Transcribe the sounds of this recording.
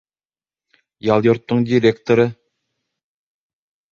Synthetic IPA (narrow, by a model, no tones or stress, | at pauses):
jɑlˠjoɾt̪ːɤɴdʲiɾʲekt̪oɾɤ